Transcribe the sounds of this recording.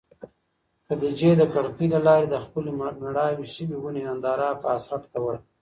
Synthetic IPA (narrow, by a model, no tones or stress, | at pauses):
kəd̪əd͡ʒed̪əkaɽpilalɑɾed̪əxpəlenaɽɑweʃəbiwuneand̪ɑɾɑpəasɾat̪kawəl